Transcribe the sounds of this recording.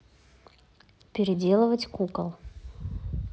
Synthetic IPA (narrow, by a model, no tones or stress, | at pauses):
pʲɪɾʲɪdʲe̞lˠəvətʲkukəlˠ